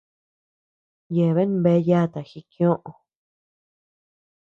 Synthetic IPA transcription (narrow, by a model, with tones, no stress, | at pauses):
je˨βe˦ñ˦be˧˦ja˦˨˧t̪a˨xi˧kj̃õ˦ʔõ˨